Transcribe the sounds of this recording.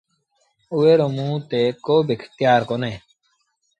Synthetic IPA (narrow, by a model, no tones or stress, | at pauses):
ueːɾomũːt̪eːkoːbikʰt̪jaːɾkoneː